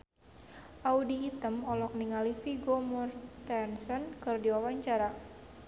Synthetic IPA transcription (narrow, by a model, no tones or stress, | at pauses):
ʔaudiːt̪əmɔlɔk̚niŋalifiɡomɔrt̪ɛnsɔnkɨrdiwawaɲt͡ʃaɾa